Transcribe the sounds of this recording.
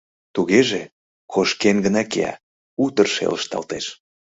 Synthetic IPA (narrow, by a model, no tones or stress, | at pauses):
t̪uɣeʒe | kʰoʃkenɡənɑkḛæ̰ | ut̪ərʃḛləʃt̪ɑ̰lt̪eʃ